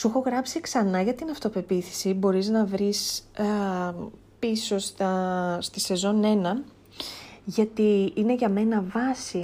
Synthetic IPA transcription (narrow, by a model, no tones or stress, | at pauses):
suxoɣɾɐpsiksɐnɐʝɐt̪inɐft̪o̞pe̞piθi̥sibo̞ɾiznɐvɾis | piso̞st̪ɐst̪ise̞zo̞ne̞nɐ | ʝɐt̪iine̞ʝɐme̞nɐvɐsi